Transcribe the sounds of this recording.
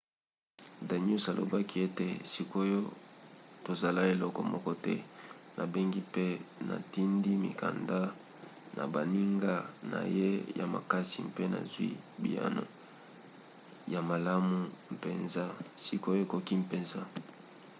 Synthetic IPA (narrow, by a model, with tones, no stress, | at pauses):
da˨ɲu˦sa˨lo̰˨ba˦ki˦e˦te˨si˦ko˦jo˦ | to˨za˨la˦e˨lɔ˦kɔ˨mɔ˦kɔ˦tɛ˦nʔa˨be˦ŋɡi˦pe˦na̰˨ti˦ndi˦mḭ˨ka̰˨nda˦ | nʔa̰˨ba˨ni˦ŋɡa˦na̰˨je˦ja̰˨ma̰˨ka˦si˨mpe˦na̰˨zwḭ˦bi˨a̰˦no̰˨ | ja˨ma˨la˦mu˨m˨pe˨nza˦si˨ko˦jo˦e˨ko˨ki˦m˨pe˨nza˦